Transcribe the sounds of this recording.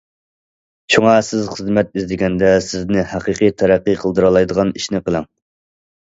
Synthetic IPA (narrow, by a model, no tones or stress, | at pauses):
ʃʰuŋɑsɪzχəzmɛt̪̚izd̪ɪɡʲɛnd̪ɛsɪznɪhæqiqijt̪ʰæɾæqːɨqʰəlˠd̪ɨɾɑlˠɑjd̪əʁɑniʃnɪqəlˠɪŋ